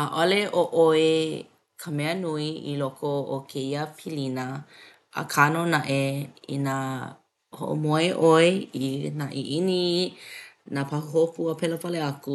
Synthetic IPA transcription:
aʔoleʔoʔoe | kʰəmɛənuiḭlokʰoo̰kʰeiəpʰilinɐ | ə̰kʰanonaʔeḭna | ho̰ʔo̰moeʔoeinaʔiʔini | napahuɦopuəpɛlopɐleɐku

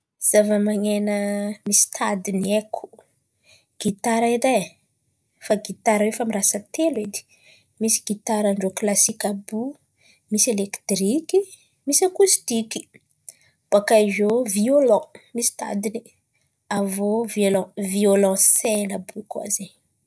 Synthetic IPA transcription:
z̥avəmaŋenəmisi̥t̪ʰad̪ineku̥ | ɡ̥it̪aɾaiɾej | faɡit̪aɾwefamirasət̪elwed̪i̥ | misi̥ɡit̪aɾaɳɖ͡ʐoklasikʲabu | miselekt̪riki | misakust̪iki̥ | b̥akajzoviolɔ̃misi̥t̪a̰d̪ini | avoviolɔ̃violɔ̃selabukua̰ze

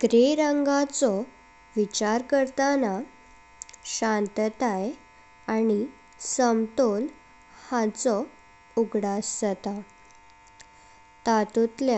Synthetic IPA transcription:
ɡ̥ɾeɾəŋɡat͡sɔ | ʋit͡ɕaɾkəɾt̪ana | ɕãnt̪t̪aj | añi | səmt̪ol | hat͡sɔ | uɡɽasət̪a | t̪at̪ut̪lja

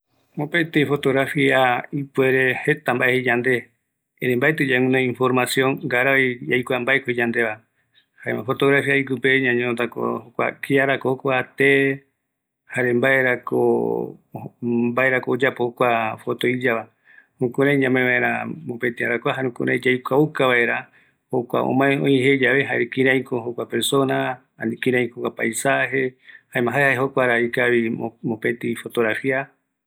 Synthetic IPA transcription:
mopet̪efo̞t̪oɣɾafiaipueɾe̞he̞t̪ambaʔehed͡ʒand̪e̞ | eɾembaet̪ɨd͡ʒaŋũnãĩnfo̞ɾmasjõŋɡaɾaijajkʷambaekoid͡ʒand̪ea | haemãfo̞t̪oɣɾafiaikupeɲãɲõt̪ako̰hokʷa̰kʰiaɾakohokʷat̪e | haɾembaeɾako̰ | mbaeɾakoːd͡ʒapohokʷafot̪oid͡ʒaa | hũkũɾãj̃ɲãmẽβaeɾamopẽt̪iaɾakʷaɦaɾũkṵ̃ɾãĩd͡ʒajkʷaukaβae̞ɾa | hokʷa̰ʔo̰mãẽõĩɦed͡ʒaβeɦaɾekĩɾãj̃koɦokʷapeɾsona | anikĩɾãj̃kokʷapajsaɦehaẽmãɦaeaheɦokʷaɾaikaβimõpẽt̪ifo̞t̪oɾafia

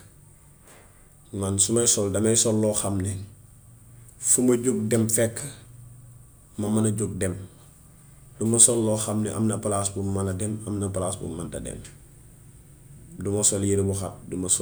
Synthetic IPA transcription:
mansumɐjsɔldɐmɐjsɔlːɔːxamnɛ | fumɐɟuɡ̚dɛmfɛkʰː | mɐmɐnɐɟuɡ̚dɛm | dumɐsɔlːɔːxamnɛ̰ʔɐ̰mnɐpalasbumːɐnɐdɛmɐmnɐpalaːsbṵmːandɐ̰dɛ̰m | dumɐsɔljiɾibuxap̚dumɐs

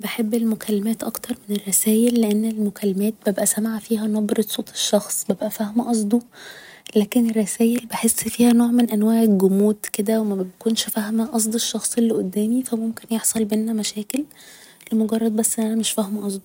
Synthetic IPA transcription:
beħebːelmokʰælːæmæːt̪ʔɑkt̪ɑɾˤmenerˤːɑsæːjelːeʔenːelmokʰælːmæːt̪̚bæbʔæsæmaʕfiːɦænɑbɾɑsˤoːt̪ˤʰe̥ʃːɑxsˤbæbʔæfæhmʔɑsˤd̪ˤu | læːkenerˤːɑsæːjelbeħesːfiːhænoːʕmenʔænwæːʕɡomuːd̪ked̪æwemæbbækuːnʃfæhmæʔɑs̬ˤd̪ˤeʃːɑxsˤelːiʔod̪ːæːmifæmomkenjeħsˤɑlbenːæmæʃæːkelː | emoɡɑrˤːɑd̪̚bæsːʔenːʔænæmeʃfæhmʔɑsˤd̪ˤu

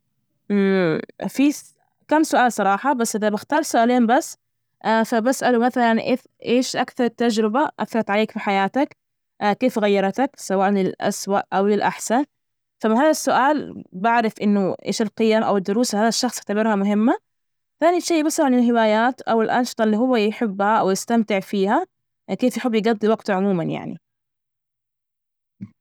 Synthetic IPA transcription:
fi | kamːsʊʔaːlsˤɑɾˤɑːħɑbasːʔɪðabɪxt̪ɑːɾˤsʊʔaːleːmbasː | ʔafabasʔalumaθalanʔḛːf | ʔeːʃʔakθɑɾˤɪt̪ːad͡ʒɾɪbaʔa̰θkɑt̪ʕaleːkfiħajaːt̪akː | keːfɣajːɑɾˤt̪aksawaːʔnɪlʔa̰swaʔʔawɪlʔaħsan | famːaɦaːðasːʊʔaːlbaʕɾɪfʔɪnːʊʔḛːʃɪlqɨjamʔa̰wɪd̪ːʊɾuːshaːðaʃːɑxsˤjat̪abɪɾˤhamʊɦɪmːa | θaːniʃeːʔbɪsˤaʕanɪlɦɪwaːjaːt̪ʔawɪlʔɑnʃɨ̥t̪ˤɑlːiːɦʊwːajħɪbːhaʔawjɪst̪amt̪ɪʕfiːha | keːfjħʊbːjɪɡɑd̪ˤːiwɑɡt̪ʕʊmuːmanja̰ʕnḭ

